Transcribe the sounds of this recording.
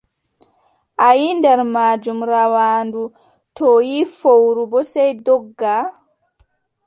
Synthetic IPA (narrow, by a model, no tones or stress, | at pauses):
ʔajindɛɾmaːd͡ʒumɾawaːndu | tʰɔjifowɾubɔsɛjdɔɡːa